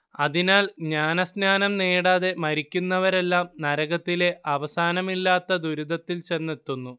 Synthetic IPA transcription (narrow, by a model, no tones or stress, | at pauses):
ɐðinaːlɲaːnɐsnaːnɐmneːɽaːðe̞mɐɾikʲːunːɐʋɐɾe̞lːaːmnɐɾɐɣɐt̪ːile̞ʔɐʋɐsaːnɐmilːaːt̪ːɐd̪uɾud̪ɐt̪ːilt͡ɕe̞nːet̪ːunːu